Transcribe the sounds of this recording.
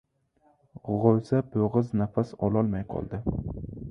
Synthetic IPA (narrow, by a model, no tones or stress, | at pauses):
ʁozaboʁɨznafasɒlˠɒlˠmajqʰɒ̰lˠd̪ɪ